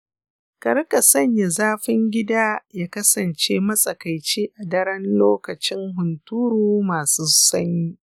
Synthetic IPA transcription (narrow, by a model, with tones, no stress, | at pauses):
kɐ˨ɾka˨sɐ˦ɲja˨zaː˦ɸɪ˦ŋɡʲɪ˦daː˦jaː˦kɐ˦sɐ˨nt͡ʃeː˦mɐ˦sʼɐ˨kɐ˨jt͡ʃeː˦ʔa˨dɐ˦ɾɐ˦nloː˦kɐ˨t͡ʃɪ˦ŋɦʊ˨ntuː˦ɾuː˦maː˨suː˦sɐ˦ɲjiː˦